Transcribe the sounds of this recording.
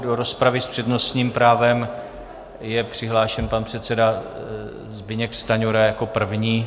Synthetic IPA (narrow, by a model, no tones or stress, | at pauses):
doɾo̞spɾavɪspr̥ɛdno̞st̪ɲiːmpɾaːvɛm | jɛpr̝̥ɪɦlaːʃɛnpanpr̝̥ɛt̪t͡sɛda | zbɪɲɛkst̪aɲoɾajako̞pr̩vɲiː